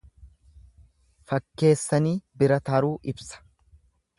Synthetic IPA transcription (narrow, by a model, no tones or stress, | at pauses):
fɐkːe̞ːsːɐniːbɪɾɐt̪ɐɾuːʔɪbsɐ̥